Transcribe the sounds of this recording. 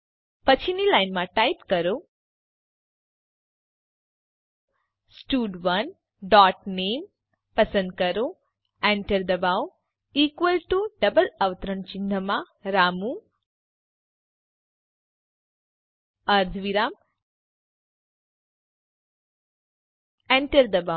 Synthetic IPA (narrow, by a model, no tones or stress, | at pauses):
pɐt͡ʃʰinilajnmaʈajpkɐɾo | sʈuːɖʋɐn | ɖaːʈneːm | pɐsɐnd̪̚kɐɾo | ɛɳʈɐɾd̪ɐbaw | iːkʋəlʈuɖɐbɐlɐʋɐt̪ɾɐɳt͡ʃind̪ʱɐma | ɾaːmu | ɐɾd̪ʱʋiɾaːm | eɳʈɐɾd̪ɐba